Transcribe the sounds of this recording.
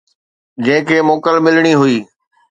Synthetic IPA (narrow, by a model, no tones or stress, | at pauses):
d͡ʑɐ̃ɦɪ̃kʰeːmoːkəlmɪlɽ̃iɦʊiː